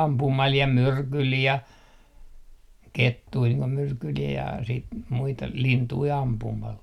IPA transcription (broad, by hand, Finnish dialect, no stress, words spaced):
ɑmpumɑl jɑ myrkyl jɑ ketːui niːŋ ko myrkyl jɑ siːt muitɑ lintui ɑmpumɑl